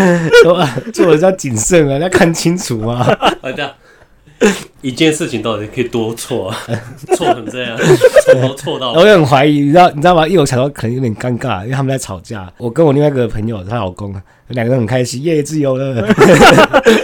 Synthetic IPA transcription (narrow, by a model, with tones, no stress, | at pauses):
ʂɔ˥a˨˩t͡ɕjjt͡ɕi˨˩nsə˥˩ŋə˨˦jkʰa˥˩nt͡ɕʰi˦nt͡sʰu˨˩˦ma˨˦a˥˧t͡ɕja˥˧ | i˧˩t͡ɕjɛ˥˧nʂɻ̩˥˩t͡ɕʰi˨ŋt̪ɑ˥˩t̪i˨˩˨kʰə˦˧i˨˩t̪wɔ˦t͡sʰwɔ˥˩˧wɔ˥˨˥xə˨˩nt͡sə˥˧jɑ˥˨ŋ˥˦ | t͡sʰwɔ˥˧ɑ˥˨˩wjo˥˩xə˨˩nxwa˧˥ɪi˨˧˦ni˨˩˦ʊni˨˩˨a˨˩˥i˥˩o˧˥ɕkʰə˨˩nə˧˦ŋjo˧˦˩jnka˥ŋka˥˩˦i˥˧e˧tʰa˥mə˨˩t͡sa˥˩ʈ͡ʂʰɑ˨˩ʊt͡ɕja̰˥˩wɔ˨˩kə˦nwɔ˨li˥˧wa˥˧i˧ɡə˩pʰə˧˦ŋjo˨a˥ɑ˨˩ko˦ŋ | jo˧˦lŋɡə˧t̪hə˨˩ŋkʰa˦ɪɕi˦jɛ˥˩jɛ˨˧t͡sɹ̩˥˩jo˨˩ʊlə˨˦